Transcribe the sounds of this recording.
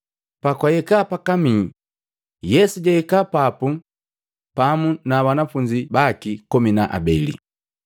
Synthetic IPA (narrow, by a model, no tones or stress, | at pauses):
pakwajɛkapakami | jɛsuɟaɛkapapu | pamunabanafuɲd͡ʒibakikɔminaʔa̰bɛlḭ